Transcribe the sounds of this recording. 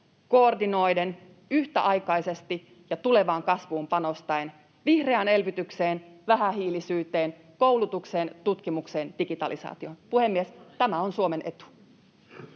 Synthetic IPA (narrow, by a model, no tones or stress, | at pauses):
koːrdino̞jde̞n | yht̪æ̰ʔɑjkɑjse̞st̪i | jɑt̪ule̞ʋɑːŋkɑsʋuːmpɑno̞st̪ɑen | ʋihre̞ɑne̞lʋyt̪ykseːnʋæɦæɦiːlisyːt̪e̞ːn | kouwlut̪ukse̞ːnt̪ut̪kimukse̞ːnd̥iɡit̪ɑ̰lisɑ̰ːt̪io̞npuhe̞mːiest̪æmæo̞nsuome̞nʔe̞t̪u̥